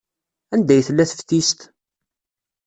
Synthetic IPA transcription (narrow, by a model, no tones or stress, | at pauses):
ænd̪æjθəlːæθə̥fθist̪